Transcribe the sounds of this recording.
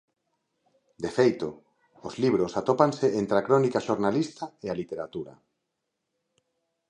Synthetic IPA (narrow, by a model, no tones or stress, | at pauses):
d̪efejt̪o | ozliβ̞ɾosat̪opanseʔent̪ɾeakɾɔnikaʃoɾnalist̪aealit̪eɾat̪uɾa̰